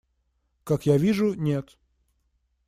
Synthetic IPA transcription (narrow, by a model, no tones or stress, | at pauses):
kakjavʲiʐʊnʲet̪